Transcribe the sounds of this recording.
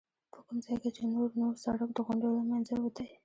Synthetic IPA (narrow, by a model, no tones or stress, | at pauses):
pʰə̥kʊmzɑjket͡ʃenoɾnoɾsaɽak̚d̪əɣʊɳɖolamanzawəd̪aj